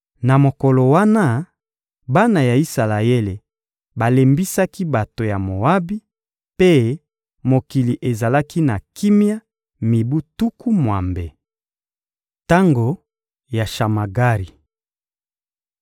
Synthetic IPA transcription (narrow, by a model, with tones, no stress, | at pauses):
na˨mo˨ko˨lo˨wa˦na˦ | ba˦na˨ja˨i˦sa˨la˨e˦le˨ | ba˨le˨mbi˦sa˦ki˦ba˨to˨ja˨mo˨wa˦bi˦ | pe˦ | mo˨ki˨li˨ʔe˨za˨la˦ki˦na˨ki˦mja˦ | mi˨bu˦tu˦ku˦mwa̰˨mbe˨ | ta˦ŋɡo˨ | ja˨ʃa˨ma˨ɡa˦ʁi˨